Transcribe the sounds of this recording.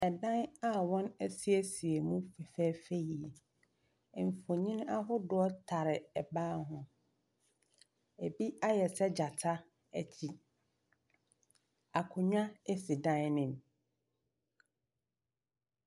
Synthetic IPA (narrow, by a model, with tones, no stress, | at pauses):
ɛ˨dã˦na˨wɔ̃˦næ˦si˦æ˦si˨e˨mũ˦fɛ˨fɛː˦fe˦ji˨ | m̩˨fo˨ɲĩ˦n˦a˦ɦʊ˦dʊ˨ɔ˦tʰa˨ɾɪ˨ɛ˨baː˦ɦʊ̃˨ | e˨bi˦a˦jɛ˨sɛ˦d͡ʑa˨tʰa˦ | æ˨t͡ɕʰi˨ | a˨kʰʊ̃˨ɲᶣ˦ã˦ɛ˦si˨dã˦nnɪ̃˨m